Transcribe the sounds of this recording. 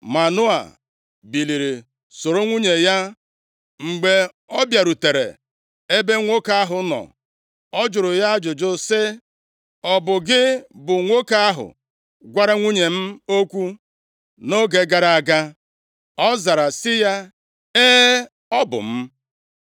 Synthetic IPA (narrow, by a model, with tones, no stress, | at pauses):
ma˨nʊ˦a̰˨ | bi˨li˨ɾi˨ | so˨ɾo˦ŋʷu˦ɲe˨ja˦ | ŋ͡m̩˨ɡ͡be˨ | ɔ˦bja˨ɾu˨te˨ɾḛ˨ | e˦be˦ŋʷo˦ka˦a˦ɦʊ˨nɔ̰˨ | ɔ˦d͡ʒʊ˨ɾʊ˨ja˦d͡ʒʊ˨d͡ʒʊ˦sɪ˦ | ɔ˨bʊ˨ɡɪ˦bʊ˨ŋʷo˦ka˦a˦ɦʊ̰˨ | ɡʷa˦ɾa˦ŋʷu˦ɲe˨m̩˦o˦kʷu˦ | no˦ɡe˨ɡa˦ɾa˨a˨ɡa˦ | ɔ˦za˨ɾa˨sɪ˦ja˦ | eː˦ | ɔ˦bʊ̰˨m̩˦